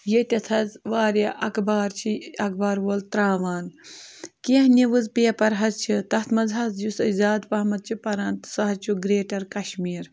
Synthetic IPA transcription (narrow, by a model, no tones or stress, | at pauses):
jet̪ʲɐt̪ʰɐzʋaːɾɐʔɐkbaːɾt͡ʃʰiɐk̚baːɾʋoːlt̪ɾaːʋaːn | keːɦniʋɨzpeːpɐɾɦɐzt͡ʃʰit̪ɐht̪ʰmɐzɦɐzjusɐzaːd̪pɐɦmɐt̪̚t͡ʃʰipɐɾɐːnt̪sɐɦɐt͡ʃʰuɡɾeːʈɐɾkɐʃmiːɾ